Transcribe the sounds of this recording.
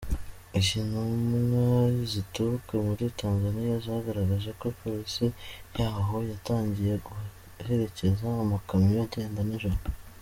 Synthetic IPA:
iʒinumŋaizitukemuɾitaːnzanijazahaɡaɾaɡaʒe̞koipoɾisijaːɦo̞jataːɲɟije̞ɡu | he̞ɾe̞ce̞zaːmakamijaɟe̞ːndaniʒoɾo

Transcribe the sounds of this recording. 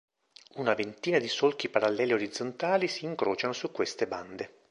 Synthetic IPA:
unavent̪iːnad̪isolk̟ipaɾalːɛːlioɾid̪zːont̪aːlisiːŋkɾoːt͡ʃanosukːwest̪eband̪e

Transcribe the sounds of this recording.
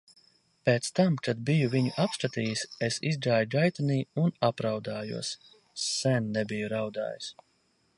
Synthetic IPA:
peːt̪st̪amkad̪̚bijuviɲuʔapsk̪at̪iːjisesizɡaːjɡajt̪aniːunapɾawd̪aːjṵɔsː | ɛnːɛbijuɾawd̪a̰ːjis

